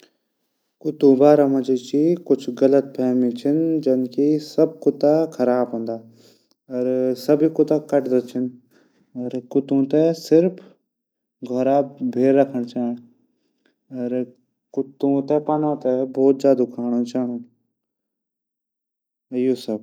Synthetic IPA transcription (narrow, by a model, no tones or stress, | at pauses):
kʊt̪ũbaːɾãmɐ̃d͡ʒit͡ʃikʊt͡ʃʰɣɐlət̪̚pʰɛːmĩt͡ʃʰɐnd͡ʒɐnkisɐb̚kʊt̪akʰɐɾaːbɦõːnd̪aː | ɐɾsɐbʱikʊt̪akɐʈd̪ɐt͡ʃʰən | ɐɾkʊt̪ũt̪ɛsɪɾpʰ | ɡʱɔɾaːbʱeːɾːɐkʰəɽ̃t͡ʃaːɦɪ̃ | ɐɾ | kʊt̪ũt̪epanãt̪ɛbɔːt̪̚d͡ʒjaːd̪ukʰaːɽ̃õt͡ʃaːɳõː | ɪjoːsɐb